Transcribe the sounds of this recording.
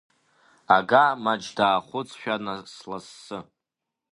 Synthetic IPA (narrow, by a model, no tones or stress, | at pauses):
aɡamad͡ʒdaːχʷʊt͡sʰʼʃᶣanaslasːɨ